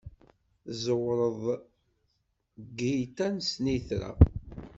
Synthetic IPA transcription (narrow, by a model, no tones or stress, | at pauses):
zəwɾˤəðˤ | ɡit̪ænsniθɾæ̰